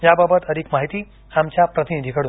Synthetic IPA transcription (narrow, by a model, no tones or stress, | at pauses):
jababət̪əɾiːkmaɦit̪iː | amt͡ɕjapɾət̪inid̪ʱikəɽuːn